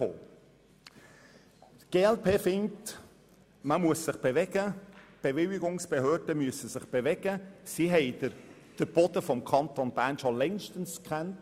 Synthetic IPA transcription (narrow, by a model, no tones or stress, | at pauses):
o̰ː | ɡ̥eːɛlpʰeːfɪŋt | məmuəsːɪχb̥eʋɛɡ̥əb̥eʋɪlɪɡʊŋsb̥ehøːd̥əmyəsəsɪχb̥eʋɛɡəsiɦɛɪdə | d̥əb̥ɔd̥̪əfɔmkʰɑnt̪onb̥æːnʃɔlɛŋʃtən̩skχɛnt